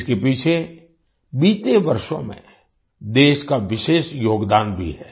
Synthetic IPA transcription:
kepiːt͡ʃʰe | biːt̪eʋɐɾʃõ̰mḛ̃ | d̪eːʃkaʋɪʃeːʃjoːɡd̪aːnbʱḭɦɛː

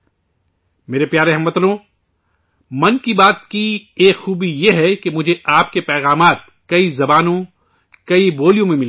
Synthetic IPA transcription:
meːɾepjaːɾeɦɐmɐt̪lõ | mɐnkibaːt̪kieːkxuːbijeɦɛkemʊd͡ʒʱeʔaːp̚kepɛːɣaːmaːt̪ | kɐizɐbaːnõ | kɐiboːlijõmẽmɪl

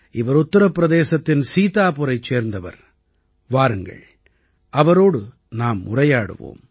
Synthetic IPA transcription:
ɪʋɐɾʊt̪ːɐɾɐpːɪɾɐðeːsɐt̪ːɪnsiːt̪aːpʊɾɐɪt͡ʃːeːɾnd̪ɐʋɐ̰ɾ | ʋaːɾɯŋɡɐ̰ɭ | ʔɐʋɐɾoːɽɯ | naːmːʊ̰rɐjaːɽɯ̰ʋo̰ːm

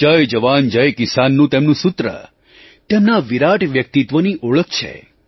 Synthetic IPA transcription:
d͡ʒəjd͡ʒəʋand͡ʒəjkɪsanːũt̪emnũsʊt̪ɾə̰ | t̪emnaʋiɾaʈʰʋjək̚t̪it̪ʋəniʔoɭək̚t͡ʃʰḛ

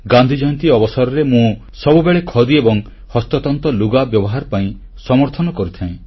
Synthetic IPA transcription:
ɡand̪ʱid͡ʒɔjɔnt̪iɔbɔsaɾɔɾemũ | sɔbubeɭekʰɔd̪iebɔŋ | hɔst̪ɔt̪ɔnt̪ɔluɡabjɔbɔɦaɾɔpaĩ | sɔmɔɾt̪ʰɔnɔkɔɾit̪ʰaĩ

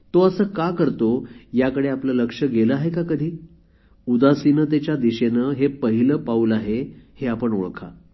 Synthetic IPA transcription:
t̪oəsəːkakəɾt̪ojakəɽeapləːləkʂəɡeləaɦekakəd̪ʱiː | ud̪asinət̪et͡ɕjad̪iɕenəɦepəɦiləpaulaɦeheapəɳo̰ɭkʰa̰

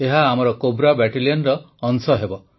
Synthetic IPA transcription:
eɦaːmɔɾɔkobɾabɛʈiliɔnɾɔː | nsɔɦebɔ

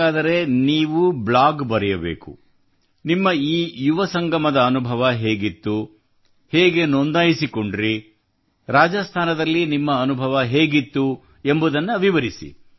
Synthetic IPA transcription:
aːd̪ɐɾe̞niːʋublaːɡbɐɾɛjɐbḛːku | nimːɐiːjuʋɐsɐŋɡɐmɐd̪ɐːnubʱɐʋɐɦeːɡit̪ːu | heːɡe̞nond̪aːjisiko̞ɳɖɾi | ɾaːd͡ʒɐst̪ʰaːnɐd̪ɐlːinimːɐːnubʱɐʋɐɦeːɡit̪ːu | e̞mbud̪ɐnːɐʋiʋɐɾisḭ

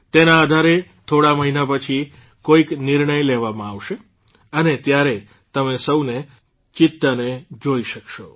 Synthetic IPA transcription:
t̪enãːd̪ʱaɾet̪ʰoɽaməɦinapət͡ʃʰi | koiknɪɾɳəjlɛʋamãaʋʃe | ənet̪jaɾe | t̪əmesəwne | t͡ʃɪt̪ːaned͡ʒoiʃəkʃo

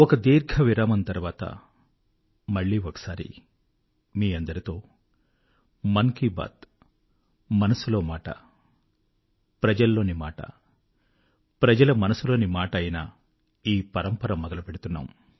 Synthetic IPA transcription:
ɔkɐd̪iːɾɡʱɐʋiɾaːmɐnt̪ɐɾuʋaːt̪ɐ̰ | mɐɭːiːɔkɐ̥saːɾḭ | miːɐnd̪ɐɾit̪o̞ː | mɐŋkiba̰ːt̪ | mɐnɐsulo̞ːmaːʈɐ̰ | pɾɐd͡ʒɐlːo̞ːnimaːʈɐ̰ | pɾɐd͡ʒɐlɐmɐnɐsulo̞ːnimaːʈɐɐjɐna | iːpɐɾɐmpɐɾɐmːɔd̪ɐlɐpeɽut̪unːa̰ːm

